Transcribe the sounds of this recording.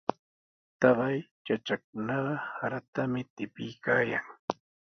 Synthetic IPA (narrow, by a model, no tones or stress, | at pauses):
t̪ɑɢɑjt͡ʃat͡ʃak̚ʊnɑɢɑhaɾat̪amɪt̪ɪpɪjkaːjaŋ